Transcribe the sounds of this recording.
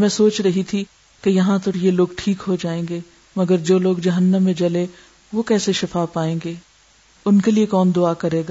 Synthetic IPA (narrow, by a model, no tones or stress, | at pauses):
mɛ̃ːsoːt͡ʃɾɐɦit̪ʰi | kejɐɦãt̪ɔɾjeloːɡʈʰiːkɦod͡ʒaːẽːŋɡeː | mɐɡəɾd͡ʒoːloːɡd͡ʒɐɦənːəmːẽd͡ʒɐle | ʋokɛːseʃɪfaːpaːẽːŋɡeː | ʊnkeliekɔːnd̪ʊakɐɾeːɡaː